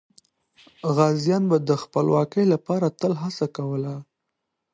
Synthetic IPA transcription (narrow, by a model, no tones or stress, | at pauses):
ɣɑzjɑnbad̪əxpəlwɑkəjlapɑɾat̪əlɦasakawəla